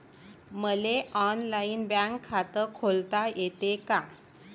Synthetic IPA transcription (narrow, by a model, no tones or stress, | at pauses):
məleɔnlaiːnbãŋkʰːat̪əkʰolt̪ajet̪eka